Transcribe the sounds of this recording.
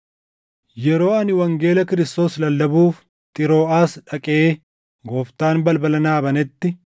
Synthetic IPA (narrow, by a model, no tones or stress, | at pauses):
jɛɾo̞ːɐnɪwɐŋɡe̞ːlɐkɪɾɪst̪o̞ːslɐlːɐbuːf | t̪ʼɪɾo̞ːaːsᶑɐkʼeː | ɡoːft̪aːnbɐlbɐlɐnaːbɐnɛt̪ːɪ